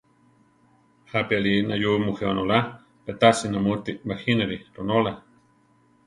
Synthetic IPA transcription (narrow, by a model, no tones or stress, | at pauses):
hapialinajumuhewanola | pet̪asinamut̪imaxinaɾiɾonola